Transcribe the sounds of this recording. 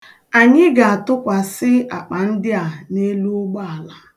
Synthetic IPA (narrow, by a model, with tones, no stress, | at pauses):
a˨ɲɪ˦ɡa˨a˨tʊ˦kʷa˨sɪ˦a˨k͡pa˨n̩˦dɪ˦a˨ne˦lu˦ʊ˦ɡ͡ba˦a˨la˦